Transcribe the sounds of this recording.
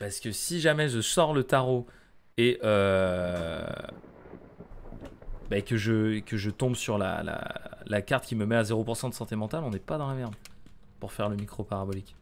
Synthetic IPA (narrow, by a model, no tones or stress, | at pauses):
paʁsə̥kəsiʒamɛʒəsɔʁlət̪aʁo | eʔø | bakəʒəkəʒət̪ɔ̃bsyʁla̰la̰lakaʁt̪kʲiməmɛazeʁopuʁsɑ̃d̪əsɑ̃t̪emɑ̃t̪alɔ̃nɛpad̪ɑ̃lamɛʁd̪ | puʁfɛʁləmikχopaʁabɔlik